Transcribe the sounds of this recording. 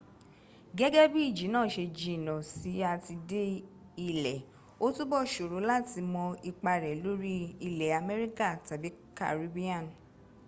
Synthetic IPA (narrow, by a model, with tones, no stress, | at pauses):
ɡɛ˦ɡɛ˦bi˦i˦˨d͡ʒi˨˦nãː˦˨ʃe˧d͡ʒĩ˧˨nɔ̃˨si˨˦a˧ti˧de˦ | i˧lɛ˨ | o˦tu˦bɔ˦˨ʃo˨ɾo˨˦la˦˨ti˧mɔ̃˧i˧k͡pa˧ɾɛ˨lo˦ɾi˦i˧lɛ˨a˧mɛ˦ɾi˦ka˦˨ta˨bi˨˦ka̰˦˨ɾi˨˦bi˦ã˦˨n˨